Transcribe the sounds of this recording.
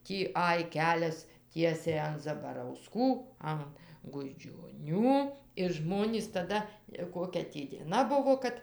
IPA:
ˈtʲiː ˈɐj ˈkʲæːlʲɛs ˈtʲiɛsʲɛɪ ɐn zɐbɐrɐʊˈskuː ɐn ɡʊd͡ʒʲoːˈnʲuː ɪr ˈʒmoːnʲiːs tɐˈdɐ ɪ ˈkoːkʲɛ tʲiː dʲiɛˈnɐ ˈbʊʋoː ˈkɐt

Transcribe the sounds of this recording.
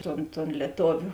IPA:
ˈtoːn toːn lʲiɛˈtoːʋʲʊ

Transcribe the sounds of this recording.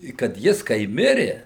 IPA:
ɪ kɐt ˈjɪs kɐɪ ˈmʲɪrʲɪ

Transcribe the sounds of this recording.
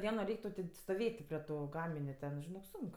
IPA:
ˈdʲiɛnoː ˈrʲɛɪkʲ tɐʊ tʲeː stoːˈʋʲeːtʲ tʲɪ pʲrʲiɛ ˈtuː ˈɡɑːmʲɪnʲʊ tʲɛn ʒʲɪˈnoːk ˈsʊŋk

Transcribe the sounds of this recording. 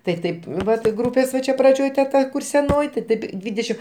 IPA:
tɐɪ ˈtɐɪp ˈʋɐt ˈɡruːpʲeːs ʋɐ ˈt͡ʃʲɛ prɐˈd͡ʒʲoːj tʲɛ ˈtɐ ˈkʊr sʲɛˈnoːj tʲɪ ˈtʲɪp ˈdʲʋʲiːdʲɛʃʲɪm

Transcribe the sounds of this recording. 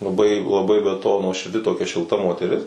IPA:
lˠɐˈbɐɪ lˠɐˈbɐɪ bʲɛ toː nuɔʃʲɪrʲˈdʲɪ toːˈkʲɛ ʃʲɪlˠˈtɐ moːtʲɛˈrʲɪs

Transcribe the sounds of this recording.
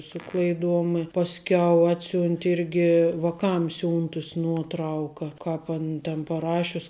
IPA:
ˈsʊ klˠɐɪˌduɔm ɪ pɐsʲˈkʲɛʊ ˈɑːtʲsʲʊnʲtʲɪ ˈɪrʲɡʲɪ ʋɐˈkɐm ˈsʲʊntʊs ˈnuɔtˌrɐʊkɐ ˈkɑːp ɐn tʲɛn pɐˈrɑːʃʲʊs

